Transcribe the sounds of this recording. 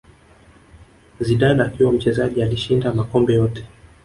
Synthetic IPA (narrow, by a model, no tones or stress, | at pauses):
ziɗaɗaːkiwam̩t͡ʃɛzaʄialiʃindamakɔmbɛjɔtɛ̥